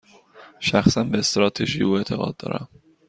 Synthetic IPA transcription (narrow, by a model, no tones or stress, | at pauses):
ʃæxsænbeːst̪ɾɒːt̪ʰeʒiuːe̞t̪ʰe̞ɣɒ̰ːd̪̚d̪ɒ̰ːɾʔæ̰m